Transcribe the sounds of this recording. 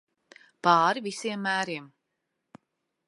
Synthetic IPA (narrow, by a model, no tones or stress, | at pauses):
pɑːɾivisiɛmːæːɾiɛm